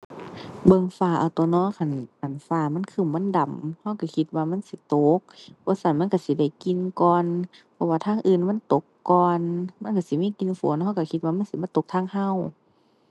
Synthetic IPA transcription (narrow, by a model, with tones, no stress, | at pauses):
bɤ˧˨ŋfaː˧˩ʔa˨˩t̪ɔ˧nɔː˧˥˨kʰa˧˩˨nʔa˨˩nfaː˧˩ma˧˥˨nkʰɯ˧˩˨mːa˧˥˨nda˨˩mha˧˩˨wka˧˩kʰi˧t̪̚waː˧ma˧˥˨nsi˧˦t̪o˨˦k̚bʰɔː˧˦sa˧˩nma˧˥˨ka˧˩si˧˦da˧˩jki˧˨nkɔː˧n | pʰɔ˧waː˧t̪ʰaː˧˥˨ŋʔɯː˧˨nma˧˥˨nt̪o˨˦kːɔː˧nma˧˥˨nka˧˩si˨˦miː˧˥˨ki˧n˧fo̰ː˨˦nha˧˩˨wka˧˩kʰi˧t̪̚waː˧ma˧˥˨si˨˦ba˧˥˨t̪o˧˦k̚t̪ʰaː˧˥˨ŋha˧˥˨w